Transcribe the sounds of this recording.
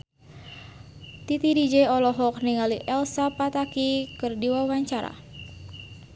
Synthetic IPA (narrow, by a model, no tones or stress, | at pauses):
t̪it̪idid͡ʒeɔlɔɦɔkniŋaliʔɛlsapat̪akikɨrdiwawaɲt͡ʃaɾa̰